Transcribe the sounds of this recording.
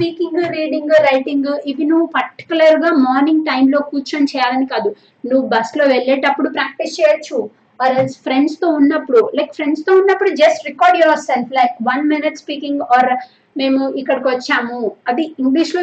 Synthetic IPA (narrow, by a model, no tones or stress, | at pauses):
spiːkiŋɡɾiːɖiŋɡɾɐjʈiŋɡiʋinuʋːupɐɾʈi̥kjulɐɾɡaːmɔːɾnĩŋɡ̚ʈɐjmlo̞ːkuːt͡ʃɐmt͡ʃɛːjaːlɐnikaːd̪u | nuʋːubɐslo̞ːʋɛlːeːʈɐpːuɽupɾaːk̚ʈist͡ʃɛːjɐt͡ʃːu | ɔːɾɐlspʰɾeɳɖst̪o̞ːunːɐpːuɽulɐjkpʰɾeɳɖst̪oːunːɐpːuɽud͡ʒɐsʈɾikɔːɾɖjɔɾselpʰlɐjkʋɐnminiʈspiːkiŋɡɔːɾ | me̞ːmuikːɐɽɐkʋɐt͡ʃːaːmuɐd̪iiŋɡliʃlo